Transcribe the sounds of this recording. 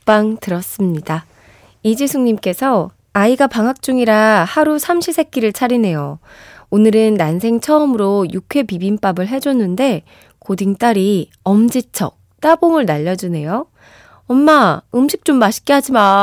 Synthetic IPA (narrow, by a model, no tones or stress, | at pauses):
p͈aŋtɯɾʌs͈ɯmɲida | id͡ʑisʰuŋɲimk͈e̞sʰʌ | aiɡapaŋɦak̚t͡ɕ͈uŋiɾahaɾusʰamɕʰisʰe̞k͈iɾɯɭt͡ɕʰaɾine̞joonɯɾɯnːansʰe̞ŋt͡ɕʰʌːmɯɾojukʰwe̞pibimp͈abɯɭɦe̞d͡ʑonːɯnde̞ | kodiŋt͈aɾi | ʌmd͡ʑit͡ɕʰʌk̚t͈aboŋɯɭnaʎːʌd͡ʑune̞jo | ʌnːaɯmɕʰik̚t͡ɕ͈omːaɕʰi̥k͈eɦad͡ʑima